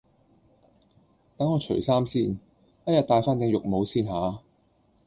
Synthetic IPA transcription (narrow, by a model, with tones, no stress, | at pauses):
t̪ɐ˨˥ŋɔː˨˧t͡ʃʰɵ̰˨˩ɥsaː˥msiː˧n | jɐ˥t̚jɐ˨t̪̚ːaː˧jfaː˥nt̪ɪ˨˧ŋjʊ˨k̚mo˨˧wsiː˧nɦaː˨˧